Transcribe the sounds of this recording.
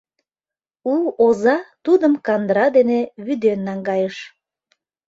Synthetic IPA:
uozɑt̪ud̪əmkɑnd̪ɾɑd̪eneβyd̪enːɑŋɡɑjəʃ

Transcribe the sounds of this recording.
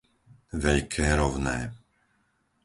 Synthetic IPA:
ʋɛʎkʰɛːɾɔwnɛː

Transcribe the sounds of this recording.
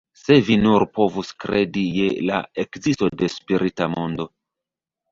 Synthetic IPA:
se̞vinuɾpo̞vuskɾe̞dije̞la̰ekzisto̞de̞spiɾitamo̞ndo̞

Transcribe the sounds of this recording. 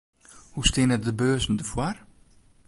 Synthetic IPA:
hustɪnɛt̚dəbøːzn̩dəfwar

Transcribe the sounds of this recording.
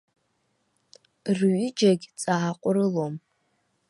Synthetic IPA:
rɥid͡ʒaɡʲt͡sʼaaqʷʼʊɾɨlom

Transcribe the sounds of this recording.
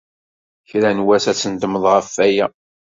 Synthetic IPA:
çɾænwæsæsənd̪əməðˤʁəfːæjæ

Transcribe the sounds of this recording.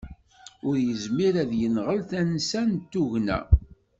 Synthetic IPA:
ʊɾjəzmiɾæðjənʁəlθænsænt̪ːuʝnæ̰

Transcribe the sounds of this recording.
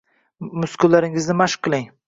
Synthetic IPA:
mʊskʊllːaɾɪŋɪznɪmaʃqʰːɨlˠɪŋ

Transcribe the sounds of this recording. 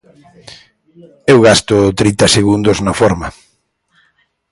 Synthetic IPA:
ewɣast̪ʊt̪ɾint̪ɐseɣund̪ʊznɐfɔɾmɐ

